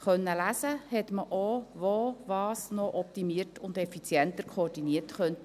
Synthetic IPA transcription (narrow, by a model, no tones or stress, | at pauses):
χœnːəlæsəhɛt̪məʔoʋovɑːsnɔʔɔp̚t̪imiərtʰʊnd̪ɛfit͡sjɛnt̪əɾkʰoːrdiniətχœnt